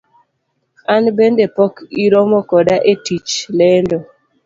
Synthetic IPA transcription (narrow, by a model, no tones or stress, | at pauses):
anbendepɔkiɾomokɔdaʔetit͡ʃlendo